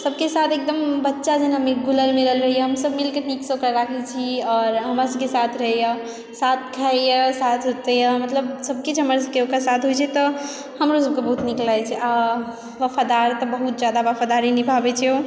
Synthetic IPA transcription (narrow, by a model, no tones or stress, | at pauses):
səbkesat̪ʰek̚d̪əmbətːʃad͡ʒənɦəmiɡʱuləlmeɾəɦəlɾəɦijəɦəmsəbmilkeniksəkəɾɾakʰɛt͡ʃʰiɔːɾɦəmɾasəbkesat̪ʰɾəɦɛja | sat̪̚ʰkʰajəsat̪ʰɦot̪ejəmət̪ləb̚səb̚kit͡ʃʰɦəməɾsəbkeokasat̪ʰɦojt͡ʃʰɛt̪ɔ | həmɾosəb̚kebəɦut̪niklajt͡ʃʰɛa | ʋafʰad̪aɾt̪ɔbəɦut̪̚d͡ʒad̪aʋafʰad̪aɾinibʱabɛt͡ʃʰio